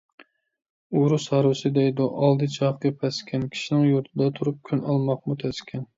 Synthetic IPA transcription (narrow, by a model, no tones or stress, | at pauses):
uɾushɑɾwɪsɪd̪ɛjd̪uʔɑlˠd̪ɨt͡ʃʰɑqɨpʰɛskʲɛnkʲʰi̥ʃinɪŋjuɾt̪ʰɨd̪ɑt̪ʰuɾup̚kʲʰynɑlˠmɑq̚mut̪ʰɛskʲʰɛn